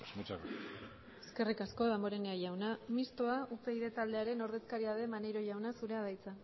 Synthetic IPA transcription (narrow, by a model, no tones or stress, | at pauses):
asmot͡ʃar | eske̞rikasko̞ðamboɾe̞neaʝawnamist̪oaupe̞iðe̞t̪ald̪e̞aɾe̞no̞ɾðe̞skaɾiaðe̞manejɾo̞ʝawnasuɾe̞að̞ajt͡sa